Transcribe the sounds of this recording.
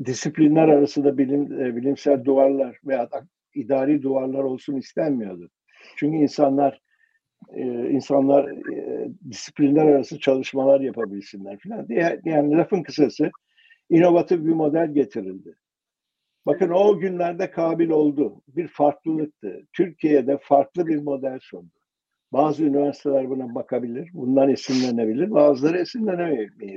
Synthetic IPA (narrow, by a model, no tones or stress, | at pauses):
d̪isiplʲinlʲæɾaɾasɯnd̪abilʲimbilʲimsælʲd̪uaɾlˠaɾvejaːt̪a | id̪aːɾiːd̪uaɾlˠaɾo̞lˠsunist̪ʰænmijo̞d̪ʊ | t͡ʃʰyɲcyinsanlˠaɾ̥ | ɯinsanlˠaɾ | d̪isi̥plʲinlʲæɾaɾasɯnat͡ʃʰalˠɯʃmalˠaɾjapʰabilʲsinlʲæɾfilʲand̪ijjaːniɾafɯnkʰɯsasɯ | ino̞vat̪ʰivbimo̞d̪ælʲɟe̞t̪ʰiɾilʲd̪ɪ | bakɯno̞ɟynlʲæɾd̪ɛkʰaːbilʲo̞lˠd̪ʊbiɾfaɾklˠɯlˠɯk̚t̪ʰɯ̰t̪ʰyɾcʰijejɛd̪ɛfaɾklˠɯbiɾmo̞d̪ælʲsund̪ʊ | baːzɯynivæɾsi̥t̪ʰelʲæɾbunabakʰabilʲiɾbund̪anesinlʲenebilʲiɾvaːzlˠaɾɯesinlʲɛnemme